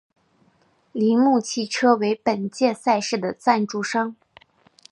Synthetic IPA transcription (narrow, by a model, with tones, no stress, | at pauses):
li˧˥mu˥˧t͡ɕʰi˥˩ʈ͡ʂʰɤ˥we˧˥ɪpə˨˩nt͡ɕjɛ˥˧sa˥˧ɪʂɻ̩˥˩d̪ə˩t͡sa˥˧nʈ͡ʂu˥˩ʂɑ˥ŋ